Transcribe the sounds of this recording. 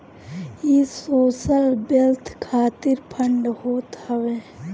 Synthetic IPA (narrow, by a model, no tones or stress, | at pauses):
jeːsoːsəlbɪlt̪ʰkʰaːt̪ɪɾpʰəɳɖhoːt̪ɦəʋeː